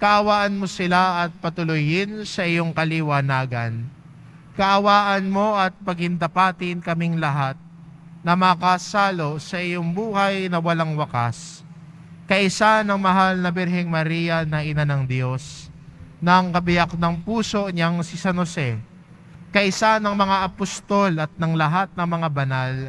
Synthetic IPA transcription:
kɐʔɐwaːʔɐnmo̞sɪlaʔɐt̪̚pɐt̪ʊlʊjɪnsɐʔɪjo̞ŋkɐlɪwanaːɡɐn | kɐʔɐwaːʔɐnmo̞ɐt̪̚pɐɡɪnd̪ɐpaːt̪ɪnkɐmɪŋlɐɦat̪̚ | nɐmɐkasaːlo̞sɐʔɪjoŋbuːhɐjnɐwɐlaŋwɐka̰s | kɐʔɪsanɐŋmɐɦalnɐbɛɾhɛŋmɐɾijɐnɐʔɪnanɐŋd̪jo̞s | nɐŋkɐbɪjak̚nɐŋpuːso̞ɲaŋsɪsɐnosɛ | kɐʔɪsanɐŋmɐŋaʔɐpost̪o̞lɐt̪̚nɐŋlɐɦat̪̚nɐŋmɐŋabɐnal

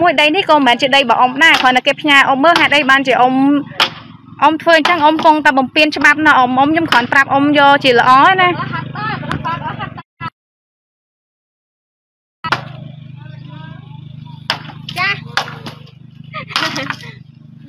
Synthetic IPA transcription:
muəjɗəjnihkoːmɛːnt͡ɕiəɗəjɓɑ̰ːʔomɗaɛkʰonːɨkeːpʰɲaːʔomːəːlɦaɛt̪̚ʔəjɓaːnt͡ɕiəʔom | ʔomt̪ʰʋəːɲt͡ɕəŋʔomkʊŋt̪aɛɓɑmpiənt͡ɕə̆ɓap̚nɑʔomʔomɲomkʰɔ̆ənprap̚ʔomjɔːlt͡ɕiələ̆ʔɑːʔəna

